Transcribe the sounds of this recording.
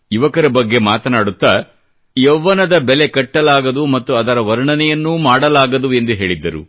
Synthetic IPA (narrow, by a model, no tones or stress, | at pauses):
iʋɐkɐɾɐbɐɡːe̞maːt̪ɐnaːɽut̪ːɐ | jɛʋːɐnɐd̪ɐbele̞kɐʈːɐlaːɡɐd̪umɐt̪ːuɐd̪ɐɾɐʋɐɾɐɳɐnɛjɐnːuːmaːɽɐlaːɡɐd̪ue̞nd̪uɦe̞ːɭid̪ːɐɾṵ